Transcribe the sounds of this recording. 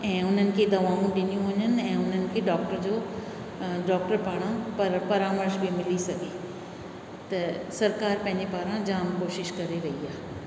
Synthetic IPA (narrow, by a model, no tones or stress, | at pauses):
ɛ̃ːʊn̤ənɪ̆kʰed̪ɐʋaːũɗɪnijũʋɐɲənɪ̆ɛ̃ːʊn̤ənɪ̆kʰeːɖɔːk̚ʈəɾd͡ʑoː | ɖɔːkʈəɾpaːɽ̃ãpɐɾpɐɾaːməɾʃbʱimɪlisɐɡʱe | t̪ɐsɐɾkaːɾpɐ̃ɦɪ̃ɲd͡ʑepaːɾãd͡ʑaːmkoːʃɪʃkɐɾeɾɐɦiaːɦe